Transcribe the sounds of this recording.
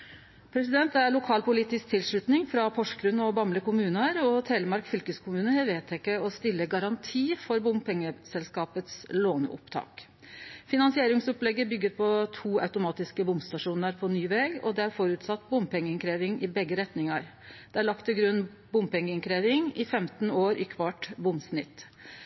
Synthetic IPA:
pʰɾɛsɪd̪ɛnt̪æɾɭʊkʰɑːlpʊliːt̪ɪsk̚t̪ʰɪlʂɭʉt̪nɪŋfɾɑpʰɔʂkɾʉnːɔbɑmləkʊmʉːnəɾɔt̪ʰeːləmɑɾkfʏlkəskʰʊmʉːnəhɛʋeːt̪ʰːɛɪkːəɔst̪ɪlːəɡɑɾɑnt̪ʰiːfɔɾbʊmpʰɛŋːəsɛlskɑːpət̪sloːnʊ̰pt̪ʰɑ̰ːk | fɪnɑnsɪeːɾɪŋsɔplɛɡːəbʏɡːəɾpʰɔt̪ʰuːɑ̰ʉt̪ʊmɑːt̪ɪskəbʊmst̪ɑʂuːnəɾpʰɔnyːʋɛɡɔ̰d̪ɛæɾfɔɾʉt̪sɑt̪ːbʊmpɛŋːəɪŋkʰɾeːʋɪŋʔɪbɛɡːəɾɛt̪nɪŋɑɾ | d̪̥ɛæɭɑk̚t̪ʰːɪlɡɾʉnː | bʊmpɛŋːəɪnŋkɾeːʋɪŋɪfɛmt̪noːɾʔɪkʰʋɑʈbʊmsnɪt̪ː

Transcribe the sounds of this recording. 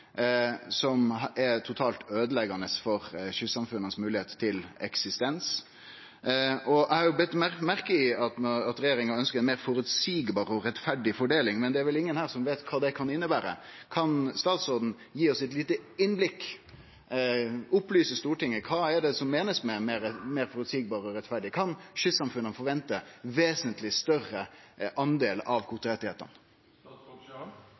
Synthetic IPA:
sɔmɛt̪ʰʊt̪ʰɑːlt̪øːd̪əlɛɡɑnəsfɔɾɕʉsɑmfʉnːənsmʉːlɪheːt̪t̪ʰːɪlɛ̰ksɪst̪ɛns | ʔɔʔæɪhɑɾjʊbɛt̪ːmæɾkəɪɑt̪ɑt̪ɾɛjeːɾɪŋɑœnskəɾɛnmeːɾfɔɾʉt̪siːɡbɑːɾɔɾɛt̪fæɖɪfɔɖeːlɪŋmɛnd̪ɛæɾʋɛlɪŋːənhæːɾsɔmʋeːt̪kʰɑːd̪ɛkʰɑnɪnːəbæːɾə̰kʰɑnst̪ɑːt̪soːd̪n̩ | jiːɔsɛt̪liːt̪əɪnblɪkː | ʊplyːsəst̪uːʈɪŋːəkʰɑːɛɖɛsɔmːeːnəsmɛmeːɾmeːɾfɔɾʉt̪siːɡbɑːɾəɔɾɛt̪fæɖɪkʰɑnʃʏt̪sɑmfʉnːəfɔɾʋɛnt̪əʋeːsənt̪lɪst̪œrəʔɑnd̪eːlɑʋkʰʊt̪ɾɛt̪ɪheːt̪ə̰n

